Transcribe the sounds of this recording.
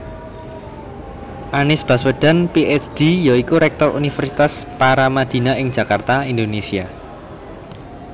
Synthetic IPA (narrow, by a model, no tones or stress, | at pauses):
ʔanɪsb̥aswəɖ̥a̤npiʔɛt͡ʃd̥ijaikuɾɛk̚t̪ɔrṵnifərsit̪aspaɾamad̪̥i̤naɪŋ̥ʒ̥ä̤kart̪aind̪onesia